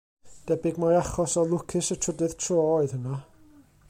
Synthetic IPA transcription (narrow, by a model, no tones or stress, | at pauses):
d̥ɛbɪɡmɔjaχɔsɔlˠʊkʰɪsətʰədɨð̥tʰroːoɨð̥həna